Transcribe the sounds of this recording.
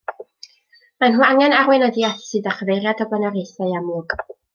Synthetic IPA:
manɦuːaŋɛnarwɛnadiaθsɨdaχəvejɾjadəbənaɾejθaɨamuːɡ̥

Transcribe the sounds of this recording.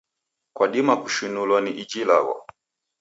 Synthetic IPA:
kwaɗimaku̥ʃunulwaniʔid͡ʒila̰ɣɔ̰

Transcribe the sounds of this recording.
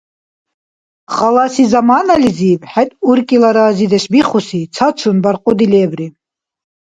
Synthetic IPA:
χalasizamaːnalizibħɛt̪ʼuɾkʼilaɾaːzid̪ɛʃbiχusit͡sʰat͡ʃʰunbaɾqʼɔd̪ilɛːbɾi

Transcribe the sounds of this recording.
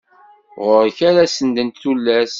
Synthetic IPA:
ʁʊɾçaɾæsənd̪ənt̪θulːæs

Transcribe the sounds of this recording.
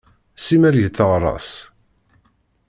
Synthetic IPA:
simælʝət͡s̪ːəʁɾˤɑ̰s

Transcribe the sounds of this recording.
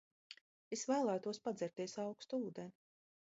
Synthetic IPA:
esvæːlˠæːjt̪uɔspad̪zɛɾt̪iɛsɑwkst̪uuːd̪eni

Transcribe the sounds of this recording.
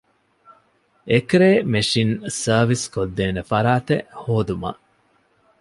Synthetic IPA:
ekɾeːmeʃinsɐːʋiskod̪ːeːnefɐɾaːt̪ḛhoːd̪uma̰

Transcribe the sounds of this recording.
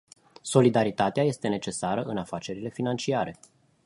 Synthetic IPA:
so̞lid̪aɾit̪at̪eaje̞st̪e̞ne̞t͡ʃe̞saɾəʔɨnafat͡ʃe̞ɾile̞finant͡ʃiaɾe̞

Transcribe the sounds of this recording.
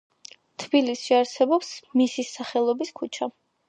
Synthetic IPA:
t̪ʰbilisʃiaɾsɛbɔpsmisisaχɛlˠɔbiskʰut͡ʃʰa

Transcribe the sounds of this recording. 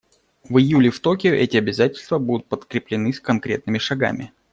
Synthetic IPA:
vɨjulʲɪft̪o̞kʲɪʊʔɛtʲɪɐbʲɪzatʲɪlʲst̪vəbud̪ʊt̪̚pət̪kɾʲɪplʲɪnɨskɐnkɾʲe̞̰t̪̚nɨmʲɪʂɐɡa̰mʲɪ

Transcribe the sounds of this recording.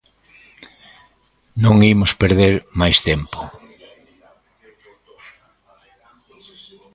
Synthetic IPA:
nõŋimʊspeɾðeɾmajst̪empo̥

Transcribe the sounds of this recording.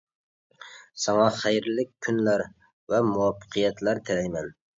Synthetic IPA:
sɑŋɑχæjɾlɪk̚ʲʰːynlæɾ | vɛmuwɑfːə̥qʰijɛt̪læɾt̪ʰɪlɛjmɛn

